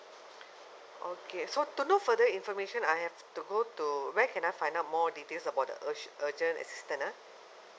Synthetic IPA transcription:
ʔokesotunofədəĩnfɔmeʃə̃najɦɛftuɡotuwɛkɛ̃najfãɪj̃ndaʊt̚mɔditelsəbawt̚də̰ʔəʔəd͡ʒə̃nɛ̰si̥stə̃na

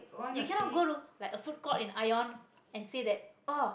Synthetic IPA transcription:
jukɛ̃nɔt̚ɡoɾulajkəfut̚kɔlĩnʔajɔ̃n | ɛ̃nsidɛt̚o

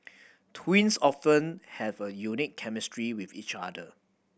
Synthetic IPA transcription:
tʰwĩnsɔfə̃nhɛvəjunikʰːɛmɪstɹiwifḭt͡ʃadə

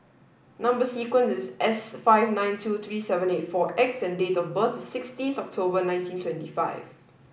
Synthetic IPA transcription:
nãmbəsikwə̃nsɪsʔɛsfaɪvnãɪ̃ntʰut̪ʰɹiːsɛvə̃netfɔʔɛk̚sɛ̃ndetɔfbətsɪkstĩntɔk̚tʰobənãɪ̃ntʰĩntʰwɛ̃ntifa̰ɪv

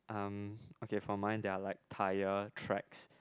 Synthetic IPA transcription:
ʔãmokefɹɔ̃mãɪ̃ndɛalaɪk̚tʰaɪətʰɹɛ̰ks

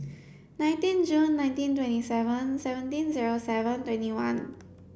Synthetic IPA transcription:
naj̃ntĩnd͡ʒunːajntĩntwẽntisɛvənsɛʋə̃ntĩnziɾosɛvə̃ntwẽntiwan

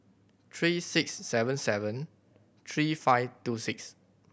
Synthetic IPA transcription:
t̪ʰɹiːsɪksːɛvə̃nsɛvə̃n | t̪ʰɹiːfaɪvtusɪks

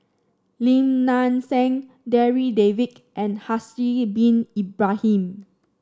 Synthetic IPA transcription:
lĩmnãnsɛ̃ŋ | dɛɹidevit | ʔɛ̃nhasibĩnibɹahĩm

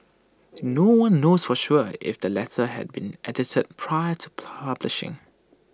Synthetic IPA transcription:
nowãnːoːsfɔʃuɪ̰fd̥əlɛtəɦɛ̰d̚bĩnʔɛdɪtʰəd̚pʰɹaɪətʰu̥pʰablɪʃɪ̰̃ŋ

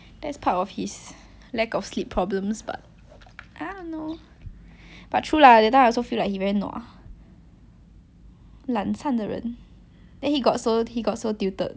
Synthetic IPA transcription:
d̥ɛtspʰatɔfhis | lɛkɔfslipʰːɹɔblə̃msba̰t̚ | ʔadõno | b̥at̚tʰɹuladɛtːãɔsofilaɪk̚hivɛɹinɔ̰ | lãnsãndəɹə̰̃n | d̥ɛ̃nhiɡɔtsohiɡɔtsodiutə̰d̚

